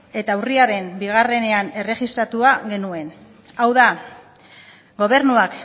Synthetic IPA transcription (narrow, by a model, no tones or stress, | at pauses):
e̞t̪awriaɾe̞mbiɣ̞are̞ne̞ane̞re̞ɣist̪ɾat̪uaɣe̞nue̞n | awða | ɡo̞β̞e̞ɾnuak